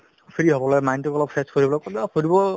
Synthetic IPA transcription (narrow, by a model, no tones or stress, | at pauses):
pʰiɹiɦɔbɔlɔmajntukɔlɔpʰːeskoɹibɔlɔjkɔbakoɹibɔ